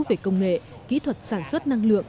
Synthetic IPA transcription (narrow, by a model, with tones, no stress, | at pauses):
ve˨˩kə˧wŋ͡mŋḛ˧˨ | kḭ˧˥t̪ʰwə˨˩t̚saː˧˩nswə˦˥t̚na˧ŋlɨ̰˧˨əŋ